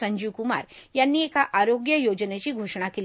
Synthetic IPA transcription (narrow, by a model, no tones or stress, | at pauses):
əɲd͡ʑiʋkuma̰ɾjanːiːekaʔaɾoɡjəjod͡ʑnet͡ɕiːɡʱoʂɳ̃akel